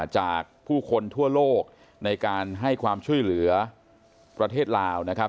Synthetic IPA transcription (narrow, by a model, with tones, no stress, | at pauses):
t͡ɕaː˨˩k̚pʰuː˥˩kʰo˧nt̪ʰu˥˩ɐloː˥˩k̚ | na˧jkaː˧nɦa˥˩jkʰwaː˧mt͡ɕʰu˥˩əjlɯ˩˦ɐ | pɾa˧t̪ʰeː˥˩t̪̚laː˧wna˦˥kʰ